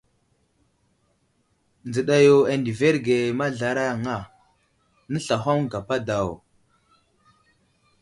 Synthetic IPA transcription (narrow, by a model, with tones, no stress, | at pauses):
nd͡zə˨ɗa˨jo˨a˨ndi˨ve˦ɾɡe˨ma˦ɮa˨ɾa˦˨ŋa˦˨ | nə˦ɬa˨ɦo˦mɡa˨pa˦da˨w